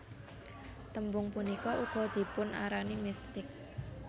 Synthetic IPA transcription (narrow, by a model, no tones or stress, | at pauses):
t̪əmbʊŋpunikɔʔuɡ̥ɔ̤d̪̥i̤pʊna̰ɾanimist̪ɪk̚